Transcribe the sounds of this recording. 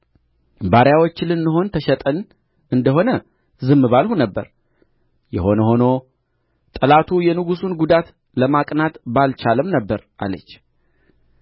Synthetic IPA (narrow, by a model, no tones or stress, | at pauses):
baɾjawot͡ʃːɪlɨnːɨɦo̞nt̪ʰəʃɛt̪ʼən | ʔɨnd̪əɦo̞nə | zɨmːɨβalhunəbːə̰ɾ | jɛ̰ho̞nəho̞no̞ | t̪ʼəlat̪ʰujɛnɨɡusunɡud̪at̪ | ləmakʼnat̪balt͡ʃʰaləmnəbːəɾʔa̰lə̰t͡ʃː